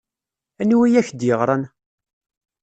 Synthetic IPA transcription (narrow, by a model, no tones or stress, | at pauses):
ænwijæçd̪jəʁɾˤɑn